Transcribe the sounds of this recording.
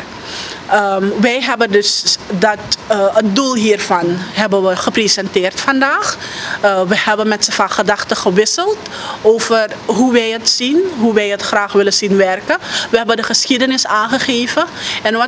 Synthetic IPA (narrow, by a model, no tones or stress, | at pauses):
əʋɛjɦɛbəndɵsdɑtət̚dulˠɦiːrfɑnɦɛbənʋəχəprezɛntɪːrtfɑndaːχ | ʋəhɛbənmɛtsəfaχədɑχtəχəʋɪsəlˠtoːvərɦuʋɛjətsinɦuʋɛjətχraːχʋɪləzinʋɛrkəʋəɦɛbədəχəsχidənɪsaːnχəχeːvəɛnʋɑ